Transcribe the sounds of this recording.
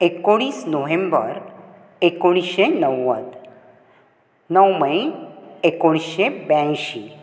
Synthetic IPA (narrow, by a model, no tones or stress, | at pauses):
ekoɽ̃iːsnoʋẽmbəɾ | ekoɽ̃iɕenəwːət̪ | nəwməiekoɽ̃iɕebãɕi